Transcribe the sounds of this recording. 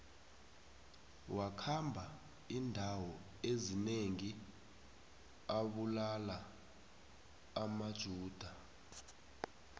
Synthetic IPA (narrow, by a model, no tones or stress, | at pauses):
wakʰambʱa | indʱawɔ | ezineŋi | aɓulala | mad̥ʒ̥ʱuːd̥ʱa